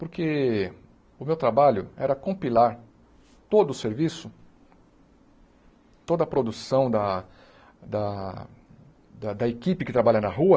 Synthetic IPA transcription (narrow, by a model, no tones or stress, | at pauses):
pʊɾke | ʊmewt̪ɾabaʎʊɛɾɐkõpilaɾ | t̪od̪ʊːseɾvisʊ | t̪od̪ɐpɾod̪usɐ̃w̃d̪ɐ | d̪ɐ | d̪ɐd̪ɐekipɪkɪt̪ɾabaʎɐnɐɦuɐ